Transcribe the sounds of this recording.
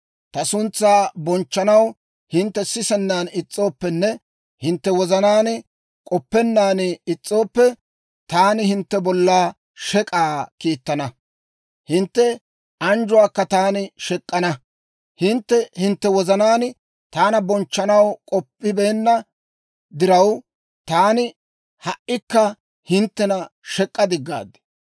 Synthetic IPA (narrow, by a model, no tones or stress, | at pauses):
t̪ɐsʊnt͡sːaːbɔnt͡ʃːɐnɐw | hɪnt̪ːɛsɪsɛnːaːnɪt͡sʼːo̞ːpːɛnːɛ | hɪnt̪ːɛwɔzɐnaːnɪ | kʼɔpːɛnːaːnɪt͡sʼːo̞ːpːɛ | t̪aːnɪhɪnt̪ːɛbɔlːaː | ʃɛkʼaːkiːt̪ːɐnɐ | hɪnt̪ːɛ | ɐnd͡ʒʊwaːkːɐt̪aːnɪʃɛkʼːɐnɐ | hɪnt̪ːɛhɪnt̪ːɛwɔzɐnaːn | t̪aːnɐbɔnt͡ʃːɐnɐwkʼɔpːɪbe̞ːnːɐ | d̪ɪɾɐw | t̪aːnɪ | hɐʔɪkːɐ | hɪnt̪ːɛnɐʃɛkʼːɐd̪ɪɡːa̰ːd̪ɛ̥